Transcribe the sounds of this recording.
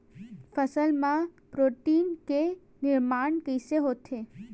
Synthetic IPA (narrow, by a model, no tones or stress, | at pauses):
fəsəlmã | pɾoʈinke | nɪɾmaɳkəjseɦot̪ʰe